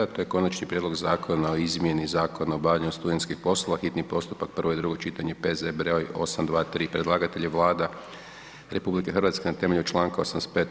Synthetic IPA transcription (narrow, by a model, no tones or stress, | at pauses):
at̪o̞je̞ko̞nat͡ʃnipɾjed̪lo̞ɡzaːkʰo̞nao̞izmje̞nizaːko̞naobaʋʎaɲust̪ud̪ent̪skixpo̞slˠo̞ʋaxit̪nipo̞st̪u̥pak̚pr̩ʋo̞jd̪ɾuɡo̞t͡ʃit̪aɲe̞pezebɾeojo̞samd̪ʋaːt̪ɾiːpɾed̪laːɡat̪eʎeʋlˠaːd̪a | ɾe̞publike̞xrɾʋat̪skenat̪e̞me̞ʎut͡ʃlˠaːŋkaosamnest̪peːt̪